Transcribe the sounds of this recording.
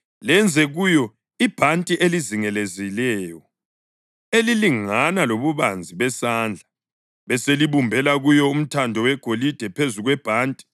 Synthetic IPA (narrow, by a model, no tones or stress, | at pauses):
lɛnd͡zʱɛɣujɔ | ib̥ʱantʼiʔeliziŋɛlezilɛːjɔ | eliliŋanaloβuβand͡zʱiβɛsand͡ɮʱa | βɛseliβumbʱɛlaɣujɔum̩tʰandʱɔwɛɡ̥ʱolid̥ʱɛpʰezuɣwɛb̥ʱaːntʼi̥